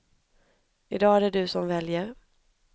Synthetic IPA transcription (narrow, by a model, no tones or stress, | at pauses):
ɪd̪ɑːæɖɛɖɵsɔmvɛljəɾ